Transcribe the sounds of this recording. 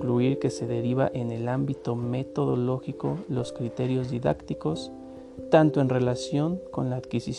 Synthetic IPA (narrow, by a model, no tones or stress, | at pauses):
kluiɾke̞se̞ðe̞ɾiβa̰ʔe̞ne̞lambit̪o̞me̞t̪o̞ðo̞̰lo̞xikolo̞skɾit̪e̞ɾjo̞zðiða̰kt̪iko̞s | t̪ant̪oe̞nre̞lasjo̞ŋko̞̰nlaːðkisis